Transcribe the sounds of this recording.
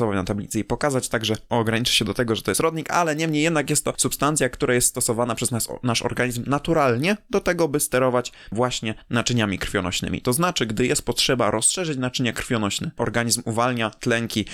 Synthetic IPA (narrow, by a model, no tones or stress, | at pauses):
ɔvanat̪ablʲḭt̪sɨipɔkazat͡ɕt̪aɡʐɛɔɡɾaɲit͡ʂɘ̥ɕɛd̪ɔt̪ɛɡɔʐɛt̪ɔjɛst̪ɾɔd̪ɲika̰lɛɲɛmɲejɛd̪nakjɛst̪ːɔsupst̪ant̪sʲjakt̪uɾʔajɛst̪st̪ɔsɔvanapʂɛzasnaʂɔ̰ɾɡaɲizmnat̪uɾalɲɛd̪ɔt̪ɛɡɔbɘst̪ɛɾɔvat͡ɕvwaɕɲɛnat͡ʂɘɲamʲikɾ̥fʲjɔnɔ̰ɕnɘ̰mʲḭt̪ɔznat͡ʂɘɡd̪ɘjɛst̪̚pɔtʂɛbaɾʔɔsʂɛʐɘt͡ɕnat͡ʂɘɲakɾfʲjɔnɔɕnɛʔɔɾɡaɲizmuvalɲat̪lɛŋkʲi